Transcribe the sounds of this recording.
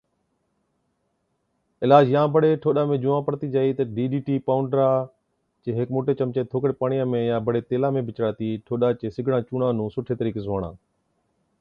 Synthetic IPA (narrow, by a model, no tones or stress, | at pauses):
ɪlaːd͡ʒjãːbʱəɽeːʈʰoːɗaːmẽːd͡ʒʊʋãːpəɽt̪iːd͡ʒaːiːt̪əɖiːɖiːʈiːpaːʊɳɖɾaː | t͡ʃeːɦɪkmoːʈeːt͡ʃəmt͡ʃeːt̪ʰoːkɽeːpaːɳijãːmẽjãːbʱəɽeːt̪eːlaːmẽːbʱɪt͡ʃɽaːt̪iːʈʰoːɗaːt͡ʃeːsɪɡʱɽãːt͡ʃuːɳãːnũːsʊʈʰeːt̪əɾiːkeːs̬oːɳ̃ã̰ː